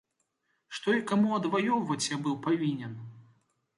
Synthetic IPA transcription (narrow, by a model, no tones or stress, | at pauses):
ʂt̪ɔikamuɐd̪vajɔwvɐt͡sʲjabɨwpavʲinʲɛn